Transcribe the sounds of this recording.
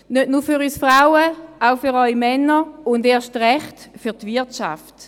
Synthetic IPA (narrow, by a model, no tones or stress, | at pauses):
nøtnufyʁysfʁaʊəaʊfyʁɔjmɛnəʊndeːɐʃtʁɛχtfytvɪɐtʃa̰ft